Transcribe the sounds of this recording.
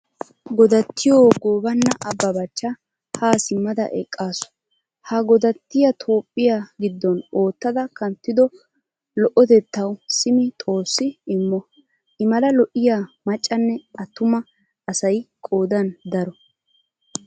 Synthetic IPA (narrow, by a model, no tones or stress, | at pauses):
ɡɔd̪ɐt̪ʰːɪjoːɡoːbɐnːɐʔɐbːɐbɐt͡ʃːɐ | haːsɪmːɐd̪ɐ̰ʔɛ̰kʼːaːsʊ̥ | hɐɡɔd̪ɐt̪ːɪjɐt̪ʰo̞ːpʼːɪjaɡɪd̪ːɔno̞ːt̪ːɐd̪ɐkɐnt̪ːɪd̪ɔ | lɔʔɔt̪ɛt̪ːɐwsɪmɪt̪ʼo̞ːsːɪɪmːɔ | ʔɪmɐlɐlɔʔɪjaːmɐt͡ʃʼːɐnːɛɐt̪ːʊmɐ | ɐsɐjkʼo̞ːd̪ɐnd̪ɐɾɔ